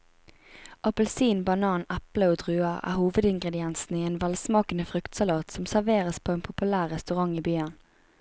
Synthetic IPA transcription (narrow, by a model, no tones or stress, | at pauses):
ʔɑpəlsiːnbɑnɑːnæpləoːd̪ʁʉːɑʁæ̰ːhuːʋəd̪ɪŋɡʁɛd̪ɪɛnsn̩iːeːnʋɛlsmɑːkənəfʁʉkt̪sɑlɑːt̪sɔmsæʁʋeːʁəspʰoːeːnpʰʊpʉlæːʁːɛst̪ʉʁɑŋiːbyːən